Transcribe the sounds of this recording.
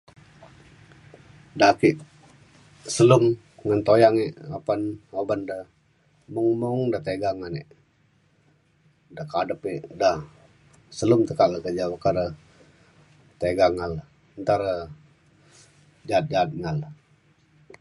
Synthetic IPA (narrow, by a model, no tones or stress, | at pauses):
dakiʔ | səlum | ŋant̪ojaŋiʔapanhobandə | muŋmuŋdat̪eɡaŋaniʔ | dakadəpiʔda | səlumt̪əkaʔləkəd͡ʒawəkaɾə | t̪eɡaŋal | ənt̪aɾə | d͡ʒat̪̚d͡ʒat̪̚ŋal